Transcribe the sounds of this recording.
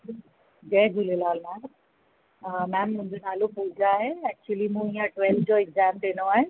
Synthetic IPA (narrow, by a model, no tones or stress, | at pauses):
d͡ʑẽːɡʱulelaːlmɛːm | mɛ̃ːmːʊ̃ɦɪ̃ɲd͡ʑonaːlopuːd͡ʑaːɦeɛk̚t͡ɕuəlimũijãʈʋɛlfd͡ʑoɛɡzɛːmɖiːñoaːɦe